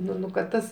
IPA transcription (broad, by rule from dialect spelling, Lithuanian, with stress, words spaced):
ˈnʊ nʊ kɐt ˈtɐs